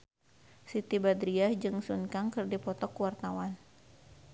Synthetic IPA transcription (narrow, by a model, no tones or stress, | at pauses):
sit̪ibad̪ɾiad͡ʒɨŋsunkaŋkɨrdipɔt̪ɔkwart̪awan